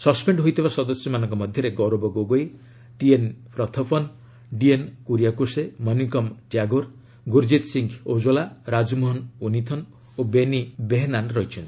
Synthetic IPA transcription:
sʌspeɳɖɦojt̪ʰibasɔd̪ɔsjɔmanɔŋkɔmɔd̪ʱjɔɾeɡɔɾobɔɡoɡoj | ʈienpʰɾɔt̪ʰɔpʰɔn | ɖienkuɾijakusemɔnikɔmʈjaɡoɾ | ɡuɾd͡ʒit̪siŋkʰod͡ʒɔlaɾad͡ʒmoɦɔnunit̪ʰɔn | obenibeɦnanɾɔɦit͡ʃʰɔnt̪i

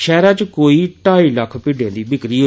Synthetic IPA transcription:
ʃɛːɾãːt͡ʃkoːiːʈaːiːləkʰpɪɖẽːnd̪iːbɪkɾiːɦoː

